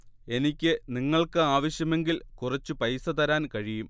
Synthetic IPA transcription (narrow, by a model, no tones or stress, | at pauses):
e̞nikʲːɨniŋːɐɭkɨaːʋɐɕjɐme̞ŋɡilkurɐt͡ɕːupɐjsɐt̪ɐɾaːnkɐɻijum